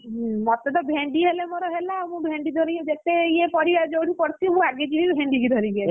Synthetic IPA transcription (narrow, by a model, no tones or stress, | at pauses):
mɔt̪ed̪ɔbʱeɳɖiɦelemoɾɔɦelamũbʱẽɳɖid̪ʱɔɾijɔd͡ʒet̪eiepɔɽiad͡ʒowɽipɔɾt͡ʃʰimũaɡed͡ʒilibʱẽɳɖiɡid̪ʱɔɾiba